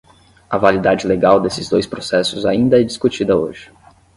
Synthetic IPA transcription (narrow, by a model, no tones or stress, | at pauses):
ɐvalid̪ad͡ʒɪleɡawd̪esɪzd̪ojspɾosɛsʊzaĩnd̪ɐɛd͡ʒiskut͡ʃid̪ɐo̰ʒɪ